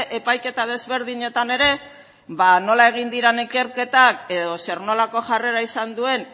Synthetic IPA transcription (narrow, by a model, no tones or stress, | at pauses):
ʔe̞pajke̞t̪að̞e̞zβe̞ɾðiɲe̞t̪ane̞ɾe̞ | βano̞lae̞ɣ̞ind̪iɾanike̞ɾke̞t̪ake̞ðo̞se̞ɾno̞lako̞ʝare̞ɾaisand̪ue̞n